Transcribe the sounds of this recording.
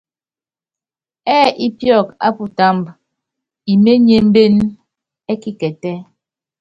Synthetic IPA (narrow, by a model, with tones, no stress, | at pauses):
ɛː˦i˦pjɔ˦˨ka̰˦pu˨ta˦mb | i˨me˦ɲe˨m̩˦be˦n | ɛ˦ki˦kɛ˨tɛ˦